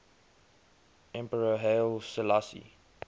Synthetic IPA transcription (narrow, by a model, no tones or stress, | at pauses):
ɛ̃mpəɹəɦelsəlasḭ